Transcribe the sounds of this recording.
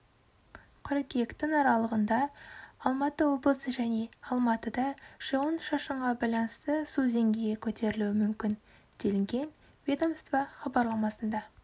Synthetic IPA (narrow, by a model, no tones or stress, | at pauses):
qʰʊɾekʲekt̪ɪŋɑɾɑlˠəʁənd̪ɑːlˠmɑt̪əwo̞blˠəsəʒæne̞ɑlˠmɑt̪əd̪ɑʒ̥ewonʃɑʃəɴʁɑbɑjlˠɑnəst̪əsuze̞ŋɡʲejɡʲekʲʰɵt̪e̞ɾɪluɪmʏmkʲɪn | d̪̥e̞lɪŋɡʲe̞n | ved̪omst̪vɑχɑbɑɾlˠɑmɑsənd̪ɑ